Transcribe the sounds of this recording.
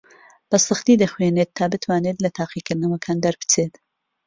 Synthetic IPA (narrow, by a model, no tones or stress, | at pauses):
b̥ɐsɨxt̪id̪ɐxweneːt̪ʰːaːbɨt̪ʰwaːneːt̪lɐt̪ʰaːqikɨɾd̪nɐwɐkʰaːnd̪ɐɾpɨ̥t͡seːt̪